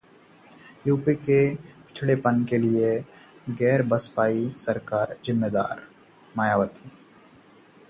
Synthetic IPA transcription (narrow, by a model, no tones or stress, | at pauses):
juːpikepɪ̥t͡ʃʰɽepənkelieɡɛːɾbəspaːisɐɾkaːɾzɪmːed̪aːɾ | maːjaːʋət̪i̥